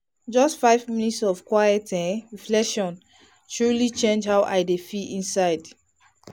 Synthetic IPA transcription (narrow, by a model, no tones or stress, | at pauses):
d͡ʒɔstfaɪvminitsɔv̥kwajɛtɛ̃ɹiflɛkʃɔ̃n | tʰɹulit͡ʃẽnd͡ʒhaʊʔa̰ɪdefiĩnsaɪd